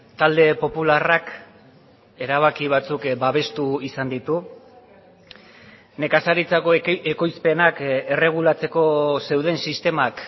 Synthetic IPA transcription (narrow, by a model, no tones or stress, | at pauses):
t̪ald̪e̞po̞pularak | e̞ɾaβ̞akiβ̞at͡sukbaβ̞e̞st̪uisand̪it̪u | ne̞kasaɾit͡sakoeko̞jspe̞nake̞re̞ɣ̞ulat͡se̞ko̞se̞wðe̞nsist̪e̞mak